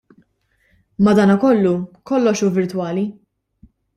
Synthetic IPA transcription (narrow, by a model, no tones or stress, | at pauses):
mɐd̪ɐːnɐkɔlːukɔlːɔʃuːvɪɾt̪wɐːli